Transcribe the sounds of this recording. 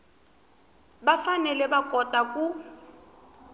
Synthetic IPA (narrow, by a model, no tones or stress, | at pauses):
bafanɛlɛbakʼɔtʼakʼu